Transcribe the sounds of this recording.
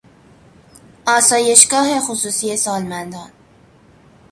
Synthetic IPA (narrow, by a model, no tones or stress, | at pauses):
ʔɒːsɒːje̞ʃɡɒːɦe̞xusuːsiːje̞sɒːlmænd̪ɒːn